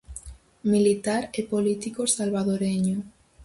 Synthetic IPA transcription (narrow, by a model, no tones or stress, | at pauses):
milit̪aɾepolit̪ikosalβaðoɾeɲo